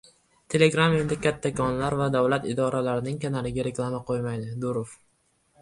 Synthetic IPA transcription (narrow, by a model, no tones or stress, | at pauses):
t̪ʰe̞le̞ɡɾame̞nd̪ɪkʲʰat̪ʰːakʰɒnlaɾvad̪avlat̪ɪd̪ɒɾalaɾɪnɪŋkʲʰanalɪɡʲaɾe̞klˠamaqʰojmajd̪ɪd̪ʊɾof